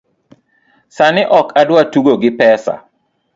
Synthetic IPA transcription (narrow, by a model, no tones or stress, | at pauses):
sanɪʔɔkʰadwatuɡoɡɪpɛsa̰